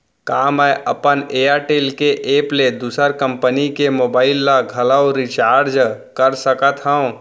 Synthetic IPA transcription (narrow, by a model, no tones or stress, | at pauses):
kaːmɛʔəpəneːaɾʈeːlkeʔeːpled̪uːsəɾkə̃mpənikemoːbaːɪlːaɡʱələoɾit͡ʃaːɾd͡ʒkəɾsəkət̪ɦəõ